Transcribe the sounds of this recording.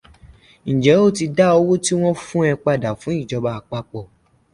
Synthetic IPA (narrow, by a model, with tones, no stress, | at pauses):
ñ̩˨d͡ʒɛ˨˦o˦˨ti˧da˦o˧wo˦ti˦w̃ɔ̃˦fũ˦ɛ˧k͡pa˧da˨fũ˨˦i˦˨d͡ʒɔ˧ba˧k͡pa˧k͡pɔ˧˨